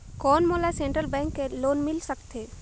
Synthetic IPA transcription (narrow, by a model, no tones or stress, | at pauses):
kɔːnmoːlasẽɳʈɾəlbɛ̃ːŋkːeloːnmɪlsəkt̪eː